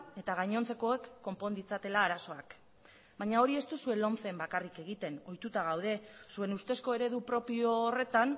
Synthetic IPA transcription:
e̞t̪aɣajɲo̞nt͡se̞ko̞ekːo̞mpo̞nd̪it͡sat̪e̞laːɾaso̞ak | baɲao̞ɾie̞st̪usue̞lo̞nt͡se̞mbakarike̞ɣ̞it̪e̞no̞jt̪ut̪aɣ̞awð̞e̞sue̞nust̪e̞sko̞e̞ɾe̞ðupɾo̞pioːre̞t̪an

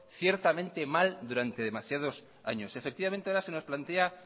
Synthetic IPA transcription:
θje̞ɾt̪amẽnt̪e̞mald̪uɾant̪eðe̞masjað̞o̞s | a̰ɲo̞se̞fek̚t̪iβament̪eaoɾase̞no̞splant̪e̞a

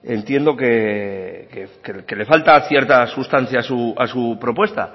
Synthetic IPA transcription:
e̞nt̪je̞nd̪o̞ke̞ | kekeke̞le̞falt̪aθje̞ɾt̪asust̪an̟θjaːsuasupɾo̞pwe̞st̪a̰

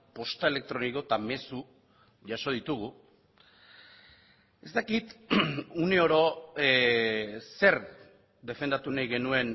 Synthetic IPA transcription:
po̞st̪ae̞le̞k̚t̪ɾo̞niko̞t̪ame̞su | ʝaʃo̞ð̞it̪uɣu | e̞st̪akit̪une̞o̞ɾo̞ | se̞ɾ | d̪e̞fe̞nd̪at̪unajɣe̞nue̞n

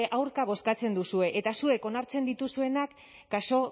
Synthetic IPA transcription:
ʔawɾkaβ̞o̞skat͡se̞nd̪usue̞ʔet̪asue̞ko̞naɾt͡se̞nd̪it̪usue̞nakː | aso̞

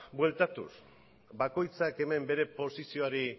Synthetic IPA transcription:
bwe̞lt̪at̪ṵs | bako̞jt͡sake̞me̞mbe̞ɾe̞po̞sisio̞aɾi

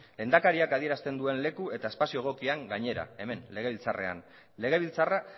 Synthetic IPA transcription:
lend̪akaɾiakaðie̞ɾast̪e̞nd̪ue̞nle̞kue̞t̪ae̞spasio̞ɣ̞o̞kiaŋɡaɲe̞ɾa̰e̞me̞nle̞ɣ̞e̞βilt͡sare̞̰a̰n | le̞ɣ̞e̞β̞ilt͡sara

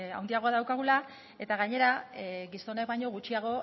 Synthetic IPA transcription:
a̰wnd̪iaɣo̞aðawkaɣ̞ula | e̞t̪aɣaɲe̞ɾaɣiso̞ne̞k̚baɲo̞ɣut͡ʃiaɣ̞o̞

